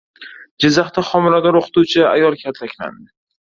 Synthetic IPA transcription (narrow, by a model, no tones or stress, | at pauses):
d͡ʒɪzːaχt̪aχɒmɪɾad̪ɒɾoqʰɨ̥t̪ut͡ʃʰɪa̰jɒlˠkʲʰat̪ʰlakʲla̰nd̪ɪ